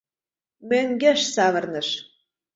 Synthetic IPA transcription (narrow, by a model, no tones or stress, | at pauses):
møŋɡʲeʃsɑβɤ̆rnɤ̆ʃ